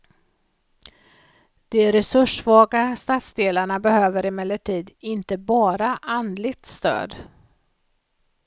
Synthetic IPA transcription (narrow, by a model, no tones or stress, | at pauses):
d̪̥ɛɾɛsɵʂvɑːɡast̪at̪sd̪eːlaɳabɛhøːvəɾɪmɛlːəʈʰiːd̪ɪnt̪əbɑːɾaʔand̪lɪɡ̚t̪st̪ø̰ːd̪